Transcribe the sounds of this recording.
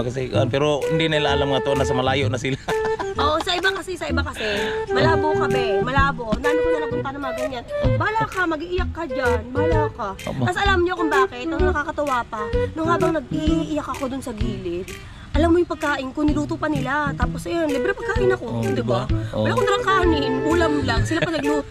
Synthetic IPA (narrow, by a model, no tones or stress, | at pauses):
kɐsɛɡɐ̰ʔonpɛːɾohɪnd̪inɐnɪlaŋʔɐlamŋɐt̪oʔonːɐsɐmɐlaːjoʔnɐsɪlaʔoːʔosɐʔɪbakɐsɛsɐʔɪbakɐsɛmɐlaːbokɐmɛmɐlaːbo̞nanɪnɐlɐbʊnpɐnɐmaɡɐɲanbaːlakamɐɡiʔɪjakːɐd͡ʒannbawakaɐsʔɐlamɲoɐkʊmbaːkɪt̪̚ʔɐŋnɐkaːkɐt̪ɐwaːpanʊŋhaːbɐŋnɐɡ̚ʔiiʔɪjakɐko̞d̪ʊnsɐɡiːlɪt̪ | ʔɐlamːojʊŋpɐɡ̚kaːʔɪnkʊŋnɪluːt̪opɐnɪlat̪aːposʔɐjonlibɾɛpɐɡ̚kːaːʔɪnɐko̞d̪ɪbawɐlakoŋt̪ɾɐŋkaːhnɪnbuːlɐmlaŋsɪlapɐnɐɡlu